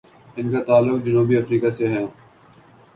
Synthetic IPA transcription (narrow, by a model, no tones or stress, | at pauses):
ɪnkat̪aːlːʊkd͡ʒɐnuːbiɐfɾiːkaseɦɛ̃ː